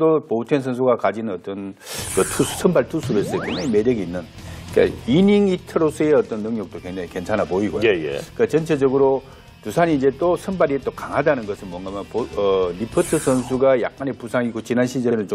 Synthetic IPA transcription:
dopoutʰens̬ʰʌns̬ʰuɡakad͡ʑinʌt͈ʌnkɯtʰusʰʌnbaɭtʰusʰuɾoɦes͈ʌjokweŋd͡ʑaŋimedjʌɡiːnːɯn | ik͈a̰iniŋitʰɯɾos͈ʌeʌt͈ʌnːɯŋɲʌk̚t͈okwe̞ŋd͡ʑaŋike̞nt͡ɕʰanapoiɡojojḛik͈at͡ɕʌnt͡ɕʰed͡ʑʌɡɯɾo | tusʰaniːd͡ʑe̞t͈osʰʌnbaɾiet͈okaŋɦadanɯnɡʌsʰɯɭmwʌŋɡamjʌnpoʌɾipʰʌtʰɯsʰʌnsʰuɡaja̰k̚k͈anepusʰaŋikot͡ɕinanɕʰid͡ʑeɾɯnt͡ɕo

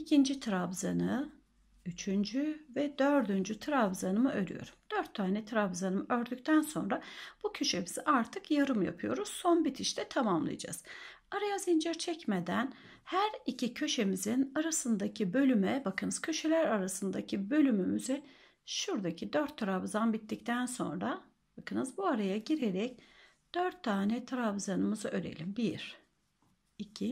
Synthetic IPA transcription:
icʰind͡ʒit̪ʰɾabzanɯ | yt͡ʃʰynd͡ʒyvɛd̪ø̞ɾd̪ynd͡ʒyt̪ʰɾabzanɯmɯʔø̞ɾʲy̰jo̞̰ɾumd̪̥øɾt̪ʰːaːnɛt̪ʰɾabzanɯmɯø̞ɾd̪yc̚ʲt̪ʰænso̞̰nɾab̥ucʰø̞ʃe̞miz̥iʔaɾt̪ʰɯkjaɾɯmja̰pʰɯjo̞̰ɾuz̥so̞nbit̪ʰiʃt̪ɛt̪ʰamamlˠɯ̰jad͡ʒa̰z̥ | aɾajazind͡ʒɛɾt͡ʃʰɛcmed̪æn | hæɾicʰicʰø̞ʃe̞mizinaɾasɯnd̪acʰibø̞lʲymɛbakɯnɯz̥cʰø̞ʃe̞lʲæɾaɾasɯnd̪acʰibø̞lʲymymyzɛ | ʃuɾd̪acʰid̪øɾt̪ʰːaɾabzanbit̪ːic̚t̪ʰænso̞̰nɾa | bakɯnɯzbuaɾajaɟiɾeɾɛc | d̪̥øɾt̪ʰːaːnɛt̪ʰaɾavzanɯmɯzɯʔø̞ɾe̞̰lʲimbiɾ | icʰi

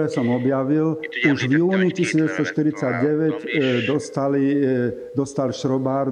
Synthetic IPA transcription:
ɾɛːsɔmɔbjaʋiluʒʋjuːnicisiːʋɛst̪ɔʃt̪iɾit͡saɟɟɛʋɛɟd̪ɔst̪ali | d̪ɔst̪alʃɾɔbaːɾ

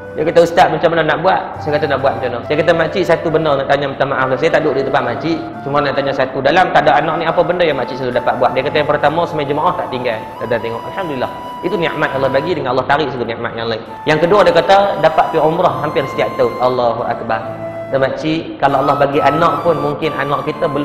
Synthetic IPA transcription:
diakat̪aəst̪aʔ̪̚mat͡ʃamənənaʔbuat̪̚sajakat̪anaʔbuat̪̚mat͡ʃamənəsajakat̪amat͡ʃiʔsat̪ubənərnaʔt̪aɲamət̪amaʔaflahsajat̪aʔdʊʔdit̪əmpaʔ̪̚mat͡ʃiʔ | t͡ʃumanaʔt̪aɲasat̪udalamt̪aʔdaʔanɔʔ̚niapəbəndəjaŋmat͡ʃiʔsaludapaʔ̪̚buaʔ̪̚diakat̪ajaŋpərt̪amɔsəmajad͡ʒəmaʔaht̪aʔt̪iŋɡal | ad̪at̪eŋɔʔa̰lhamdulilːah | it̪uniʔmat̪̚ʔɑlːɑhbaɡidəŋanalːɑht̪aɾiʔsat̪uniʔma̰t̪̚jaŋlaɪn | jaŋkəduɔdiakat̪ədapat̪̚piʔumɾɔhɦampɪrsə̥t̪iaʔ̚t̪əʔalːaɦuʔa̰k̚bar | dəmat͡ʃiʔkalaalːɑhbaɡiʔanɔʔpʊnmuŋkɪnʔanɔʔkit̪əbəl

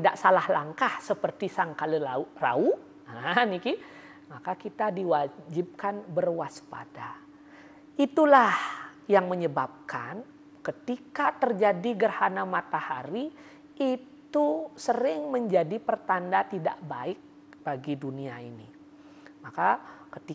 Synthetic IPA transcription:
t̪idaʔsalahlaŋkahsəpərt̪isaŋkaliara̰u | aɦaniki | makakit̪adiwad͡ʒib̚kanbərwaspa̰da | it̪ulahjaŋməɲəbap̚kʰan | kət̪ikat̪ərd͡ʒadiɡərhanamat̪ahaɾiː | t̪usəɾɪŋməɲd͡ʒadipərt̪andat̪ida̰ʔbaɪk̚ | baɡiduniaḭnḭ | makakət̪i

